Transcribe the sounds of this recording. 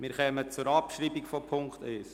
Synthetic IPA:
mɪɾχœmət͡sʊɾɑpʃɾiːbikfɔpʰʊŋkχt̪œːs

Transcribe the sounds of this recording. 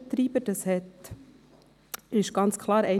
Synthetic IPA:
t̪ɾiːb̥əd̥ɑshɛt | ɪʃɡ̥ɑnt͡skʰlˠɑːɾɛɪ

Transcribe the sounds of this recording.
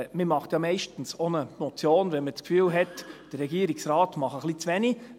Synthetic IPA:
məmɑχt̪jɑmɛɪʃtn̩sonəmɔt͡sjoːnʋɛnmət͡skfyːlɦɛtd̥əɾːɛɡiːɾiksrɑːtmɑχəχlit͡sʋɛni

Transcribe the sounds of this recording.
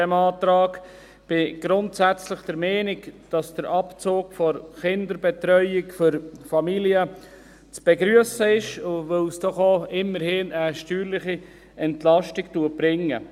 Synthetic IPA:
ɛmɑːtɾɑːɡ | b̥ɪɡ̥ɾʊntsæt͡slɪχd̥əɾmɛːnɪkd̥ɑsd̥əɾʔɑpt͡soːkfɔɾχɪndəɾbɛt̪ɾœʏɪkfʏɾfɑmiliə | t͡sb̥ɛɡɾyəsəɪʃʋølsd̥ɔχoɪmːəɾhɪːnəʃtyːɾlɪχi | ɛntlɑʃtɪktuətb̥ɾɪŋːə̰

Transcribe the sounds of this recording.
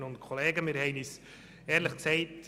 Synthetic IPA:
nʊntkʰɔleːɡəmiːɾhɛɪnys | ɛːɾlɪχksɛɪt

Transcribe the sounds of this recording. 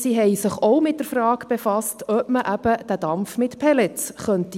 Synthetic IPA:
siːɦɛɪsɪχoʊmɪt̚d̥̪əɾfɾɑːkb̥efɑstœpməʔæb̥əd̥̪ædɑmfmɪtpʰɛlɛt͡sχœnti

